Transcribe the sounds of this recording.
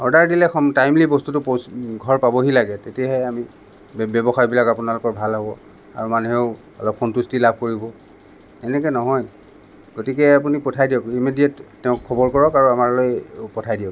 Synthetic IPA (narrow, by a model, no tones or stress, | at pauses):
ɔɹdaɹdilɛkʰɔtajmlibɔstutʊpɡʱɔɹpabɔɦilaɡɛtetijaɦɛami | bɔbɔxajbilakapunalʊkɔɹbʱalɦɔbɔ | a̰ɹumanuɦeʊ | ɔ̰lɔp̚xɔntustilab̚ʱkoɹibɔ | ɛnɛk̬ɛnɔɦɔj | ɡ̥otikɛapunipɔtʰajdiɔkimediɛtːɛʊ̃kʰːɔbɔɹkɔɹɔkaɹuamaɹlojpɔtʰajdijɔk